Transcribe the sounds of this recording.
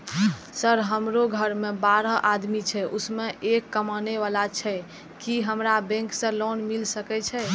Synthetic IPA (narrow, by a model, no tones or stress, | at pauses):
səɾɦəmɾoɡʱəɾmebaɾəʔad̪mit͡ʃʰɛʔusmeʔekːəmaneʋalat͡ʃʰɛ | kiɦəmɾabɛ̃ŋksə̃lonmilsəkɛt͡ʃʰɛ